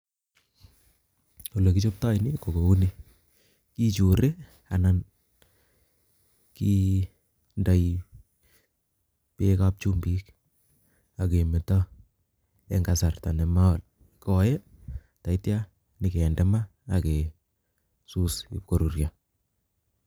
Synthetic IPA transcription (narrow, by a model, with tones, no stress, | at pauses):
u˨le˨ki˦t͡ʃo˦p̚ta˦jni˦ko˨ko˨u˦ni˦ | ki˦t͡ʃu˨ɾe˦ | a˨nan | ki˦ | nda˨j | pe˦ka˦p̚t͡ʃu˦mbi˦k | a˨ke˨me˨ta˦ | ɛŋɡasa˨rta˨nɛ˨ma˦wa˨l | kɔjɛ˦ | ta˨i˦tja | nɪ˨ke˨ɛ˨ndɛ˦ma˦ake˨ | su˦sḭ˦p̚ko˨ɾu˨ɾja